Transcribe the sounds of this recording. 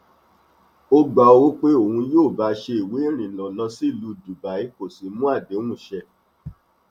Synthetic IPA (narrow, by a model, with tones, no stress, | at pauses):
o˧ɡ͡ba˧˨o˧wo˦k͡pe˦o˦˨ũ˧joː˦˨ba˨˦ʃe˧i˨we˨˦ɾ̃ĩ˨lɔ̃˨nã˧si˦˨lu˧˦˨du˨ba˨i˨˦ko˦˨si˨˦mũ˦a˦˨dẽ˨˦ũ˦˨ʃɛ˧